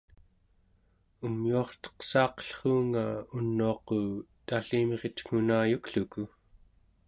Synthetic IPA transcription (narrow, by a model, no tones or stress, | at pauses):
umjuɑχt̪ʌ̥qsɑːqʌ̥ɬχuːŋaunːuɑqot̪aɬimʁet̪ŋ̥unaːjukɬuku